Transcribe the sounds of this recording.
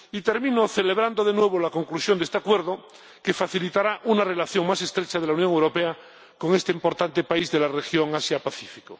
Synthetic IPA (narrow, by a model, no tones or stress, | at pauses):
it̪e̞ɾmĩnoθe̞leβ̞ɾand̪oð̞enwe̞β̞olako̞ŋklusjond̪e̞st̪akwe̞ɾðo | ke̞faθilit̪aɾaʔunare̞laθjo̞ŋmase̞st̪ɾet͡ʃaðelaunjõŋewɾo̞pea | ko̞ŋe̞st̪eimpo̞ɾt̪ant̪e̞paizðe̞larexjo̞ŋasjapaθifi̥ko